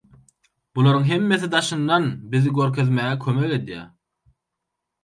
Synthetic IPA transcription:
b̥ulˠoɾɯŋɦe̞mːe̞θid̪ɑʃɯnd̪ɑnbiðiɡøɾkʰø̞ðmæːɣɛkʰømeke̞d̪jæ̰ː

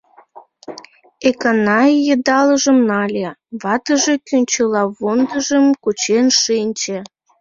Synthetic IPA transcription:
ekɑnɑjjəd̪ɑləʒəmnɑlʲeβɑt̪əʒekynʲt͡ɕelɑβond̪əʒəmkut͡ɕenʃinʲt͡ɕe

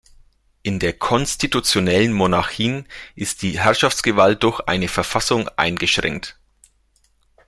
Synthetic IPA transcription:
ʔɪndeːɐkʰɔnstitut͡sjonɛlənmonaçiːnʔɪst̚d̥iːɦɛɐʃaft͡sɡ̥əvalt̚d̥ʊɐçʔa̰ɪnəfɛɐfasʊŋʔa̰ɪnɡəʃʁ̥ɛ̰ŋkt

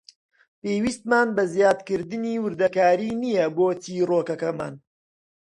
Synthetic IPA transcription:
peːwiːst̪̚maːnbɐzjaːd̪kɨɾd̪ɨniːwɨɾd̪ɐkaːɾiːnijɐboːt̪iːroːkɐkɐma̰ːn

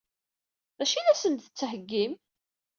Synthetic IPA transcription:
ðæʃinæsənt̪θə̥t͡sːhəɡːim

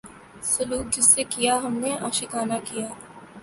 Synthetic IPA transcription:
sʊluːk̚d͡ʒɪsːekijaɦɐmneʔaːʃɪkaːnakijaː

